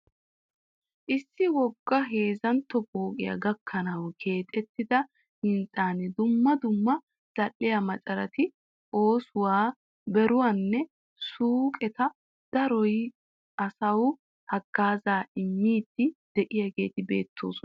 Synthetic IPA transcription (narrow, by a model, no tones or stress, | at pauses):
ʔɪsːɪwɔɡːɐɦe̞ːzɐnt̪ːɔboːkʼɪjɐ̰ɡɐkʰːɐnɐwkʰe̞ːt̪ʼɛt̪ːɪd̪ɐ | hɪnt͡sʼaːnɪd̪ʊmːɐd̪ʊmːɐ | z̥ɐʔːɪjɐmɐt͡ʃʼɐɾɐt̪ɪ | ʔo̞ːsʊwaː | bɛɾʊwanːɛ | suːkʼɛt̪ɐ | d̪̥ɐɾɔj | ʔɐsɐw | hɐɡ̥ːaːzaːɪmːiːd̪̥ːɪd̪̥ɛʔɪjaɡe̞ːt̪ɪbe̞̰ːt̪ʰːo̞̰ːsɔ